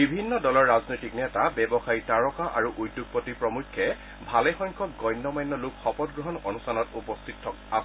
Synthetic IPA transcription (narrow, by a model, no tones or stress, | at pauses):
bibʱinːɔdɔlɔɹːaznojtiknɛtabɛbɔxaɹitaɹɔkaʔaɹuʔudːuɡ̚pɔtipɹɔmukʰːɛ | bʱalɛxɔjŋkʰɔk̚ɡɔjnːɔmajnːɔlukxɔpɔt̚ɡɹɔɦɔnɔnustʰanɔtupɔstʰitʰːɔkas